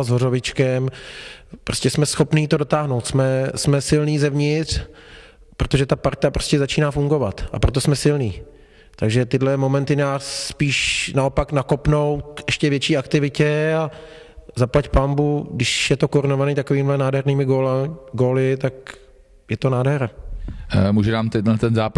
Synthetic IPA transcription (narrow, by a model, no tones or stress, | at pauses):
zɦorovɪt͡ʃkɛm | pɾoscɛsmɛsxo̞pniːt̪o̞dot̪aːɦno̞wt̪smɛsmɛsɪlniːzɛvɲɪt̪r | pɾot̪o̞ʒɛt̪apaɾt̪apɾoscɛzat͡ʃiːnaːfuŋɡo̞vat̪ʔa̰pɾo̞t̪o̞smɛsɪlniː | t̪aɡʒɛt̪ɪdlɛmo̞mɛnt̪ɪnaːsːpiːʃnaopaknakopno̞wt̪ʔɛʃcɛvjɛt͡ʃiːakt̪ɪvɪcɛa | zaplacpambudɪʃjɛt̪o̞koɾɪnovaniːt̪akoviːmɪlɛnaːdɦɛɾniːmɪɡoɡoːlɪt̪ak | jɛt̪o̞naːdɦɛɾa | muːʒɛnaːmt̪ɛt̪ɛnzaːpa